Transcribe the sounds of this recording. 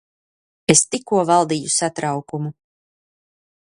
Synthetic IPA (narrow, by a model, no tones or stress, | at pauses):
est̪ikːuɔvalˠd̪iːjusat̪ɾawkumu